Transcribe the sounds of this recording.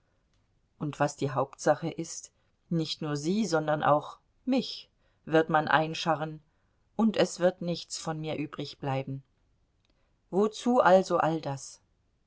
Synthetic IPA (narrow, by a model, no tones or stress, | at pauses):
ʔʊntv̥asd̥iːɦaʊptz̥aχəʔɪst | nɪçtnuːɐziːzɔndɐnʔa̰ʊx | mɪç | v̥ɪɐtmanʔa̰ɪnʃaʁən | ʔʊntɛsv̥ɪɐtnɪçt͡sfɔnmiːɐʔyːbʁɪçb̥laɪbm̩ | vot͡suːʔalzoʔaldas